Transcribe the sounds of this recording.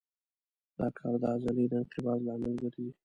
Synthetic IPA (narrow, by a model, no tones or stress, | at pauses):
d̪̥ɑkʰɑɾd̪ɑazalid̪əɪnqɪbɑzlɑmɪlɡəɾii